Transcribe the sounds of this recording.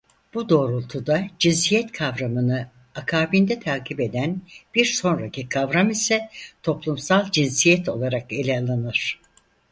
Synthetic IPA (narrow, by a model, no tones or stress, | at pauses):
b̥ud̪o̞ːɾulˠt̪ʰud̪ad͡ʒinsijɛt̪kʰavɾamɯnɯ | akʰaːbind̪ɛt̪ʰaːkʰibe̞d̪ænb̥iɾso̞nɾacʰikʰavɾamisɛt̪ʰo̞plˠumsalˠd͡ʒinsijɛt̪ʰo̞̰lˠaɾake̞lʲɛalˠanɯɾ̥